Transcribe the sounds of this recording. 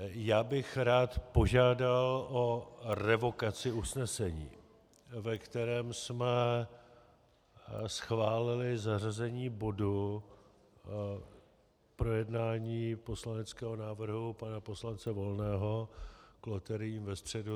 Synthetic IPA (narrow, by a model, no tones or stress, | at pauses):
jaːbɪxɾaːt̪po̞ʒaːdalʔo̞rɛvo̞kat͡sɪusnɛsɛɲḭː | vɛkt̪ɛɾɛːmsmɛ | sxvaːlɪlɪzar̝azɛɲiːbo̞du | pɾo̞jɛdnaːɲiːpo̞slanɛt͡skɛːɦo̞naːvr̩ɦupanapo̞slant͡sɛvo̞lnɛːɦo̞klot̪ɛɾɪiːmvɛst̪r̝̥ɛdu